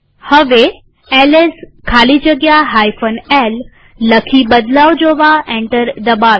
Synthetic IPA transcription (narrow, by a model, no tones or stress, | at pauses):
hɐʋe | ɛːleskʰaːlid͡ʑɐɡjaɦaːifənɛːlː | ɐkʰibɐd̪laːwd͡ʑoːʋaẽːɳʈəɾd̪ɐbaːʋ